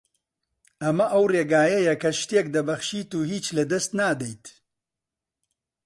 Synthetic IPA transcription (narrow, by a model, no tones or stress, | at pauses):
ɐmɐʔɐwreːɡaːjɐjɐkʰɐʃt̪eːk̚d̪ɐbɐxʃiːt̪uːhiːt͡ʃlɐd̪ɐst̪naːd̪ejt̪